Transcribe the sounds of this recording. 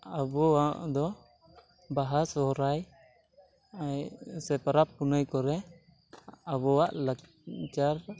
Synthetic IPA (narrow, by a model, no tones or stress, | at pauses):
abɔwaʔd̪ɔ | baɦasɔɦɔɾaj | ajsɛpaɾapːunəjkɔɾɛ | abɔwaʔlak | t͡ʃaɾ